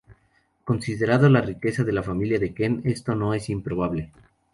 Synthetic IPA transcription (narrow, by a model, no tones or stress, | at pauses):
ko̞nsiðe̞ɾaðolarike̞saðe̞lafamiljaðeke̞ne̞st̪o̞no̞e̞simpɾo̞β̞aβle̞